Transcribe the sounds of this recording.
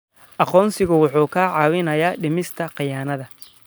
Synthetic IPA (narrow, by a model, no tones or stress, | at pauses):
ʔɑqɔːnsɪɣʊwʊħuːkʰaːʕɑːwɪnɐjaːɖɪmɪst̪ʰɐqɑjaːnɐðɐ